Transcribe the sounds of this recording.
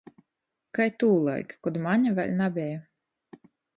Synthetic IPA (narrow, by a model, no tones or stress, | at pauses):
kajt̪uːlˠa̰jkkɔd̪maɲʲavʲɛlʲnabʲɛja